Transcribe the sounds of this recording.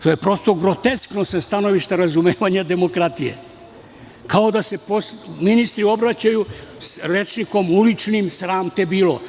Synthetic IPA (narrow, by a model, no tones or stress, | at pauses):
t̪ojepɾo̞st̪o̞ɡɾo̞t̪esknosest̪ano̞ʋiʃt̪aɾazumeːʋaɲad̪e̞mo̞kɾat̪ijḛ | kʰao̞d̪ase̞posminist̪ɾio̞bɾat͡ɕajusɾet͡ʃniko̞mulit͡ʃnimsɾaːmt̪ebiːlo̰